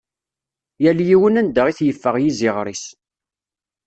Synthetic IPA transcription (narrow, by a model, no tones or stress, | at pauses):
jæljiwənænd̪əʁiθjəfːəʁjizɪʁɾis